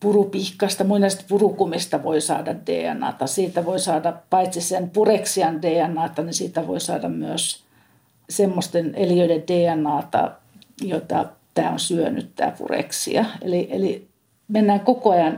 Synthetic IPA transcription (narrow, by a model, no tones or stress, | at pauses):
purupihkɑst̪ɑmuinest̪purukumist̪ɑʋoisɑːdɑddḛːæ̰nːˑɑ̰ːt̪ɑsiːt̪æʋoisɑːdɑpɑit̪sisenpureksiɑndeːænːˑɑːt̪ɑnisiːt̪æʋo̰isɑːdɑmmyøs | semːost̪eneliøideddeːænːɑːt̪ɑ̰ | jot̪ɑ̰t̪æ̰ːo̰nsyøny̰t̪t̪æ̰ːpṵrḛksḭɑḛliʔeli | menːæːŋkokoɑjɑn